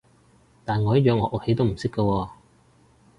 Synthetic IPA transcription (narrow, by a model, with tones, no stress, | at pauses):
t̪aː˨˩nŋɔː˨˧jɐ˥t̚jœː˧ŋhɔː˨˧˥ʔʊ˥khe˨˥jt̪o˥wm̩˨˩sɪ˥kːə˧wɔː˧